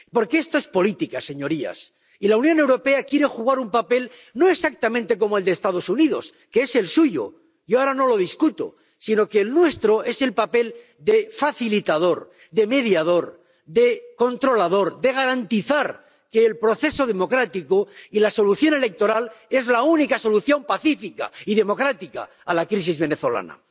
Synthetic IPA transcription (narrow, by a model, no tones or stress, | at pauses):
po̞ɾkeest̪o̞e̞spo̞lit̪ikase̞ɲo̞ɾia̰s | ilaunjone̞wɾo̞pe̞akjeɾe̞xuɣaɾumpape̞l | no̞eksak̚t̪amẽnt̪e̞ko̞moe̞ld̪est̪að̞o̞suniðo̞̰s | keese̞lsuʝo̰ | ʝo̞aɾano̞lo̞ð̞iskut̪o̰ | sino̞keːlnwe̞st̪ɾo̞e̞se̞lpape̞l | d̪e̞faθilit̪að̞o̞ɾ | d̪e̞me̞ðjað̞o̞ɾ | d̪e̞ko̞nt̪ɾo̞lað̞o̞ɾd̪e̞ɣ̞aɾant̪iθaɾ | ke̞ːlpɾo̞θe̞so̞ð̞e̞mo̞kɾat̪ikoilaso̞luθjo̞ne̞le̞k̚t̪o̞ɾale̞zlaunikaso̞luθjo̞mpaθifika̰iðe̞mo̞kɾat̪ika̰ːlakɾis̬izβe̞ne̞θo̞la̰na̰